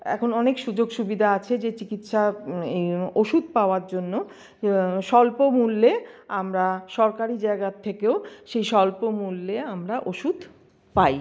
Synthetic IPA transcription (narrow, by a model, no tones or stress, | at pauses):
ɛ̰kʰonɔnekʃud͡ʑoɡʃubid̪ʱaat͡ɕʰed͡ʑet͡ɕikit̪ʃaeoʃud̪̚paoaɾd͡ʑonːo | ʃɔlpomulːeamɾaʃɔɾkaɾid͡ʑaeɡat̪ʰːekeoʃejʃɔlpomulːeamɾaʔoʃud̪ | paj